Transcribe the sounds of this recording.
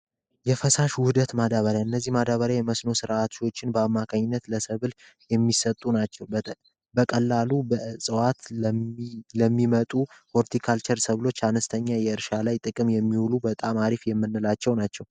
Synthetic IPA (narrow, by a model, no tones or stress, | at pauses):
jɛfəsaʃwʊd̪ət̪mad̪aβəɾjaɨnːəzːihmad̪aβəɾjajɛməsno̞sɨɾat̪ʃiwo̞t͡ʃːɪnbəamːakʰaɲːɪnːət̪ləsəβɨl | jɛmːisət̪ʼːunat͡ʃːɛwbət̪ʼə | bəkʼəlːalubəʔɨsʼɨwat̪ | ləmːimət̪ʼufo̞ɾt̪ʰikʰalt͡ʃʰəɾsəβlo̞t͡ʃːanəst̪ʰəɲːajɛɨɾʃalajt̪ʼɨkʼɨmjɛmːiwulubət̪ʼamaɾifjɛmːɨnːɨlat͡ʃːɛwnat͡ʃːɛw